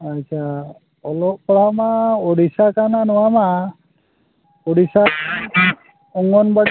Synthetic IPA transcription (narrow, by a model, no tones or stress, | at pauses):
at͡ʃʰa | ɔlɔʔpɔɭamaɔɽisakananɔwama | ɔɽisa | ɔŋɔnba